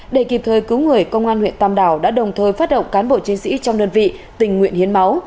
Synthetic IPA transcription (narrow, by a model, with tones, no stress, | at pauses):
ɗe˧˩ki˨˩p̚t̪ʰəː˨˩jkɨ˨˦wŋɨ˨˩əjkə˧wŋ͡mʔaː˧nhwḭ˧˨ənt̪aː˧mɗaː˧˩wɗa̰ː˧˥ɗə̰˨˩wŋ͡mt̪ʰəː˧jfaː˦˥t̚ɗə̰˧˨ŋ͡mkaː˨˦nɓo̰˧˨t͡ɕi˨˦nsḭ˧˥t͡ɕɔ˧wŋ͡mɗəː˧nvḭ˧˨ | t̪ï˨˩ŋ̟ːŋwḭ˧˨ənhi˨˦ənma˨˦w